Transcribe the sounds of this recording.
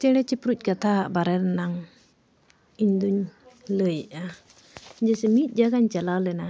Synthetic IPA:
t͡ʃɛɽɛt͡ʃɛpɾuc̚ˀkat̪ʰaɦaʔbaɾɛɾnaŋ | iɲd̪uɲləjʔa | d͡ʒɛsɛmit̪̚ˀd͡ʒaɡaɲt͡ʃalawlɛna

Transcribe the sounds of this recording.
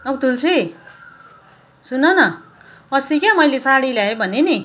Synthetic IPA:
ʌwt̪ult͡sʰi | sunʌnʌ | ʌsikjamʌjlesaɽiljaebʱʌneni

